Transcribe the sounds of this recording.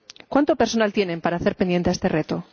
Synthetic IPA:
kwant̪opeɾso̞nalt̪je̞ne̞mpaɾaːθeɾpe̞njet̪eest̪e̞ret̪o

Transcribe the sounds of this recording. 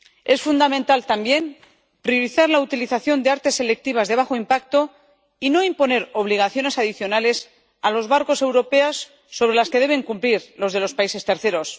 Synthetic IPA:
e̞sfund̪amẽnt̪alt̪ambje̞m | pɾio̞ɾiθaɾlaut̪iliθaθjo̞nd̪eaɾt̪e̞sːe̞le̞k̚t̪iβ̞azðe̞β̞axo̞impak̚t̪o̞ | ino̞impo̞ne̞ɾo̞βliɣ̞aθjo̞ne̞saðiθjo̞nale̞s | alo̞zβaɾko̞se̞wɾo̞pe̞asː | o̞β̞ɾe̞laske̞ð̞e̞β̞e̞ŋkumpliɾlo̞zð̞e̞lo̞spaise̞st̪e̞ɾθe̞ɾo̞s

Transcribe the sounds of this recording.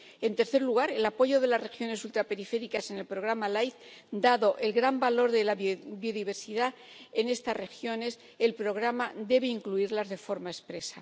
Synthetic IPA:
e̞nt̪e̞ɾθe̞ɾluɣ̞aɾe̞lapo̞ʝo̞ðe̞lasre̞xjo̞ne̞sult̪ɾape̞ɾife̞ɾikase̞ne̞lpɾo̞ɣ̞ɾamalajθ | d̪aðo̞ʔe̞lɣɾambalo̞ɾðe̞labjo̞ðiβ̞e̞ɾsiða | ene̞st̪asre̞xjo̞ne̞s | elpɾo̞ɣ̞ɾamad̪e̞βe̞iŋkluiɾlazðe̞fo̞ɾmae̞spɾe̞sa̰

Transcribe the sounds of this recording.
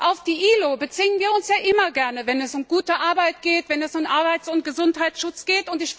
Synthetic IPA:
ʔaʊfd̥iːʔiːlobət͡sɪːənviːɐʊnsjaːʔɪmɐɡɛɐnəvɛnɛsʊmɡuːtəʔaɐbaɪt̚ɡ̥eːtv̥ɛnɛsʊmʔaɐbaɪt͡sʊnt̚ɡ̥əzʊnthɦaɪtsʃʊt͡sɡ̥eːtʊntɪç

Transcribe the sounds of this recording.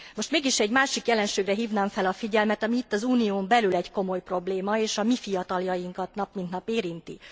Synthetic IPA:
mo̞ʃt̪meːɡiʃɛɟmaːʃikjɛlɛnʃeːɡrɛɦiːvnaːɱfɛlɒfiɟɛlmɛt̪ɒmiːt̪ːɒzuːnijoːmbɛlylɛɟko̞mo̞jpro̞bleːmɒeːʃɒmifijɒt̪ɒljɒjiŋkɒt̪nɒpmint̪nɒpeːɾint̪ḭ

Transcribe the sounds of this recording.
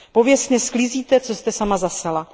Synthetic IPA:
po̞vjɛst̪ɲɛsklɪziːt̪ɛt͡so̞st̪ɛsamazasɛla

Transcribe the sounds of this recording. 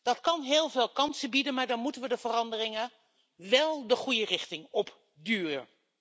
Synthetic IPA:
d̥ɑtkɑnɦeːlˠveːlˠkɑnsəbidənmaːɹdɑnmutənʋədəvərɑndərɪŋə | ʋɛlˠdəχujərɪχtɪŋɔp | dyːrən

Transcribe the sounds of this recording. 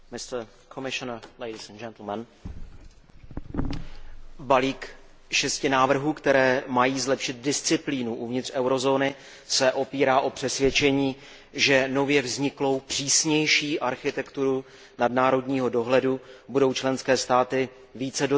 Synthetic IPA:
mɪst̪ | kʰomɪʃɔnəlejdɪsand͡ʒɛnt̪l̩mɛn | baliːk | ʃɛscɪnaːvr̩ɦuːkt̪ɛɾɛːmajiːzlɛpʃɪt̪̚dɪst͡sɪpliːnuʔuvɲɪt̪r̥ʔɛwɾo̞zo̞ːnɪ | sɛʔo̞piːɾaːʔo̞pr̝̥ɛsvʲjɛt͡ʃɛɲiː | ʒɛno̞vjɛvzɲɪklo̞wpr̝̥iːsɲɛjʃiːʔaɾxɪt̪ɛkt̪uɾu | nadnaːɾo̞dɲiːɦo̞do̞ɦlɛdubudo̞wt͡ʃlɛnskɛːst̪aːt̪ɪ | viːt͡sɛdo

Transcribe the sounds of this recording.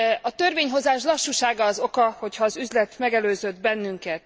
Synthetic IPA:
ɒt̪ø̞rveːɲɦo̞zaːʃlɒʃːuʃaːɡɒːzo̞kɒho̞chɒːzyzlɛt̪mɛɡɛløːzø̞d̪̚bɛnːyŋkɛt̪

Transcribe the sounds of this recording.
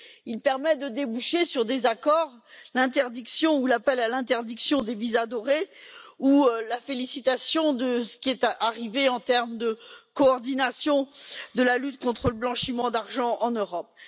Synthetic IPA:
ilpɛʁmɛd̪əd̪ebuʃesyʁd̪ezakɔʁlɛ̃t̪ɛʁd̪iksjɔ̃ulapɛlalɛ̃t̪ɛʁd̪iksjɔ̃d̪evizad̪ɔʁeulafelisit̪asjɔ̃d̪əsə̥kʲiɛt̪aʁiveɑ̃t̪ɛʁmd̪əkɔːʁd̪inasjɔ̃d̪əlalyt̪kɔ̃t̪χələblɑ̃ʃimɑ̃d̪aʁʒɑ̃ɑ̃nøʁɔp̚

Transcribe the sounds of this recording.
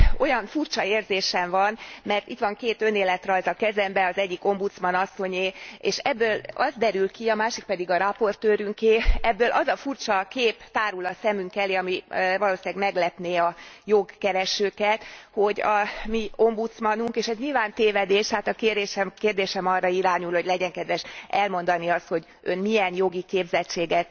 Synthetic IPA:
o̞jɒnfurt͡ʃɒeːrzeːʃɛɱvɒnmɛrt̪it̪ʋɒŋkeːt̪ø̞neːlɛt̪rɒjzɒkɛzɛmbɛɒzɛɟːiko̞mbut̪smɒnɒsːo̞ɲeːeːʃɛbːøːlɒzd̪ɛɾylkiɒmaːʃik̚pɛd̪iɡɒɾɒpo̞rt̪øːɾyŋkeːɛbːøːlʔɒzɒfurt͡ʃɒkeːpt̪aːɾulɒsɛmyŋkɛliɒmivɒloːsilɛɡmɛɡlɛpneːɒjoɡkɛɾɛʃøːkɛt̪ho̞ɟɒmio̞mbut̪smɒnuŋkeːʃɛzɲilvaːnt̪eːvɛd̪eːʃhaːt̪ɒkeːreːʃɛmkeːrd̪eːʃɛmɒrːɒiɾaːɲulho̞ɟlɛɟɛŋkɛd̪ʋɛʃɛlmo̞nd̪ɒniɒst̪ho̞ɟ | ønmiɛnjo̞ɡikeːbzɛt͡ʃːeːɡɛt̪

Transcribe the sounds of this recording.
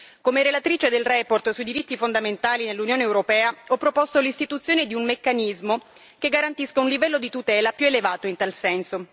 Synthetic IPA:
komeɾelat̪ɾiːt͡ʃed̪elrɛport̪suid̪iɾit̪ːifond̪ament̪aːlinelːunjoːneːwɾopɛːaɔpːɾopɔst̪olist̪it̪ut̪sːjoːned̪iummekːanizmo | keɡːaɾant̪iskaunlivɛlːod̪it̪ut̪ɛːlapjuelevaːt̪oint̪alsɛnso

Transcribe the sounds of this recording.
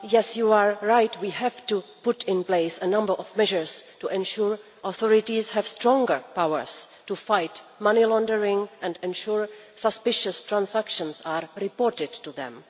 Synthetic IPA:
jɛsjuaɹːajtwiːɦɛvtupʊtʰɪ̃npleɪsənãmbə˞ʔɔvmɛʒəɹstuʔɛ̃nʃuɹʔɔθɔɹɪtishɛv̥stɹɔ̃ŋɡə˞pawə̰ɹstufajtmanilɔ̃ndəɹɪ̃ŋʔɛ̃ndɛ̃nʃuɹsəspɪʃəstɹãnsakʃə̃nsaɹɹɪpɔɹtɪdtuðɛ̰̃m

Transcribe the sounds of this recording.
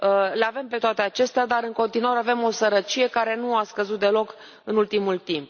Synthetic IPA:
leave̞mpe̞t̪oat̪e̞at͡ʃe̞st̪ead̪aɾɨŋko̞nt̪inuaɾeave̞mo̞səɾət͡ʃije̞kaɾe̞nuaskəzut̪̚d̪e̞lo̞k | ɨnult̪imult̪imp̚

